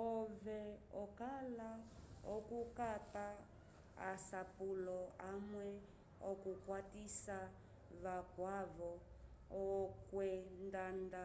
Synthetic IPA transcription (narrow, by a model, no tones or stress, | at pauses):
ɔvɛɔkalaɔkukapa | a̰sapulɔamwɛ | ɔkukwatisa | βakwavɔ | ɔkwɛndanda